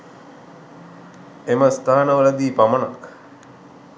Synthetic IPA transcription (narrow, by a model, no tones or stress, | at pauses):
eməst̪aːnəʋələd̪iːpaməna̰k